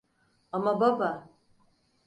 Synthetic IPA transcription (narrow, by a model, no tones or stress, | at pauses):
amababa